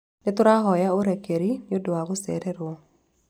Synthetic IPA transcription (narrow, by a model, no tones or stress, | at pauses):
nɪt̪ʊɾaɦɔjaoɾɛkeɾinɪodoaɣʊsɛ̰ɾɛɾwo